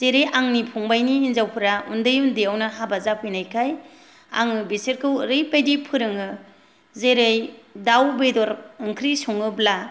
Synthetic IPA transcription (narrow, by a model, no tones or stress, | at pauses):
z̥eɾejaŋnipʰuŋbajniːnzawpʰɯɾaundɯjundiawnaɦabazapʰɯjnajkʰaj | a̰ŋɯbiseɾkʰɯwɾɯjpajdipʰɯɾɯŋɯ | zeɾejdawbedɔɾɯŋkʰɾisɔŋɯbla